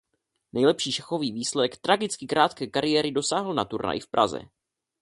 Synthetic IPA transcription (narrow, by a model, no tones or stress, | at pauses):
nɛjlɛpʃiːʃɛxo̞viːviːslɛɛkt̪ɾaɡɪt͡skɪkɾʔaːt̪kɛːkaɾɪjɛːɾɪdo̞saːɦl̩nat̪uɾna̰jɪfpɾʔa̰zɛ̰